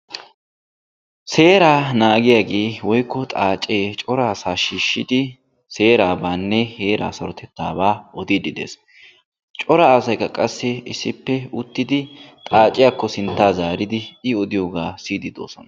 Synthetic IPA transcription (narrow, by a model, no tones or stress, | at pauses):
se̞ːɾaːnaːɡɪjaːɡe̞ːwɔjkːɔt̪ʼaːt͡ʃʼːeːt͡ʃʼɔɾaːsaːʃiːʃːɪd̪ɪ | se̞ːɾaːbaːnːɛheːɾa̰ːsɐɾɔt̪ɛt̪ːa̰ːbaːɔd̪ɪd̪ɪd̪ḛːs | t͡ʃʼɔɾɐːsɐjkːɐkʼɐsːɪɪsːɪpːɛʊt̪ːɪd̪ɪt̪ʼaːt͡ʃʼɪjaːkːɔsɪnt̪ːaːzaːɾɪd̪ɪɪɔd̪ɪjo̞ːɡaːsiːd̪ɪd̪o̞̰ːsɔnɐ